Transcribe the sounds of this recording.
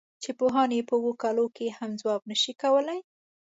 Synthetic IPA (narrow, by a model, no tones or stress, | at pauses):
t͡ʃepoɦɑnepəwokɑlokehamzwɑbnəʃikawəlaj